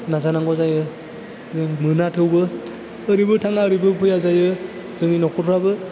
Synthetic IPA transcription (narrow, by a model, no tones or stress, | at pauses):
nazanaŋɡɔzajɯ | zɯŋmɯnatʰɯwbɯː | ɾibɯtʰaŋaɯɾibɯpʰɯjazajɯ | zɯŋinɔkʰɔɾʰɾabɯ